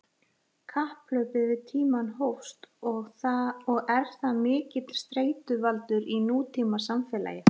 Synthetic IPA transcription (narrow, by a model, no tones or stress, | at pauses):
kʰahplœːɥpɪðvɪðt̪ʰiːmanɦowfst̪ | ɔɣɛɾ̥θamɪːcɪt̪st̪ɾeːjt̪ʏvalt̪ʏɾinuːt̪ʰiːmasamfɛːla̰ːjɪ